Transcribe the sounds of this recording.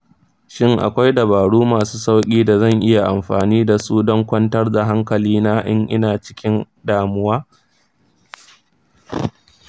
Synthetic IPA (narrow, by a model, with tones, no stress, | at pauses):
ʃɪ˦ŋʔa̰˨kʷa˦jdɐ˨baː˨ɽuː˦maː˨su̥ː˦sa˦wkʲʼiː˦da˨zɐ˦˨ŋʔɪ˦ja˨ʔa˨mɸaː˨niː˦da˨suː˦dɔ˦ŋkʷɐ˦ntɐ˦rda˨ɦa˦ŋkɐ˨liː˦naː˦ʔɪ˦ŋʔɪ˦naː˨t͡ʃɪ̥˦kʲɪ˦n | daː˨mʊ˦waː˦